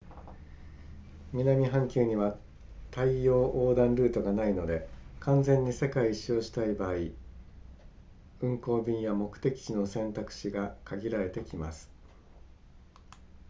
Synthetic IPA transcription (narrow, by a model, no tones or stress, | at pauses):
mʲinamʲiɦãŋkʲɨːɲ̟iβa | t̪aijo̞ːʔoːd̪ãnɾɯ̟ːt̪o̞ɡanaino̞d̪e̞kʰãnd͡zẽ̞ɲ̟ːise̞kaiːɕo̞ːɕi̥t̪aibaːi | ɯ̟̃ŋko̞ːbʲĩɰ̃jamo̞kɯ̟̥t̪e̞kʲi̥t͡ɕino̞sẽ̞nt̪akɯ̟̥ɕiɡakʰaɡʲiɾaɾe̞t̪e̞kʲima̰sɨ̥